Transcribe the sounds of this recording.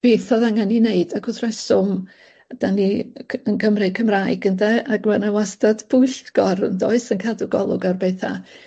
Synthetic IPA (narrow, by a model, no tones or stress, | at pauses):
b̥eːθɔðaŋanineɨdaɡʊθrɛsʊm | d̥aniənkʰəmrɨkʰəmraɨɡəndɛaɡmɛnawastad̥b̥ʊɨɬtɡ̥ɔrndɔɨsənkʰalˠdʊɡɔ̰lˠʊ̰ɡarbeθa̰